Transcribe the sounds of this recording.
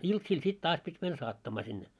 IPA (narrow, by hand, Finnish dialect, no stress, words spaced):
iltsiːl sit tɑːs pitʲ mæn sɑːtːɑmɑː sinːe